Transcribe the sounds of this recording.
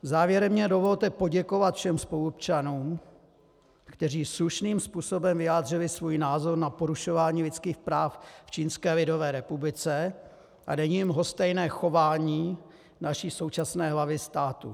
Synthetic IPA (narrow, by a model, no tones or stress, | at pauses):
zaːvjɛɾɛmɲɛdovo̞lt̪ɛpo̞ɟɛko̞vat̪fʃɛmspo̞lupt͡ʃanuːm | kt̪ɛriːsluʃniːmspuːso̞bɛmvɪjaːd̪rɪlɪsvuːjnaːzo̞ɾnapo̞ɾuʃo̞vaːɲiːlɪt͡skiːxpɾaːfft͡ʃiːnskɛːlɪdo̞vɛːɾɛpublɪt͡sɛ | ʔa̰dɛɲiːmɦo̞st̪ɛjnɛːxo̞vaːɲiː | naʃiːso̞wt͡ʃasnɛːɦlavɪst̪aːt̪u